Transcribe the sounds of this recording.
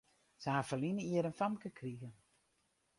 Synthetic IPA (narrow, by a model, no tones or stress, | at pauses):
səafəlinəiəɾənfamkəkʰriɣə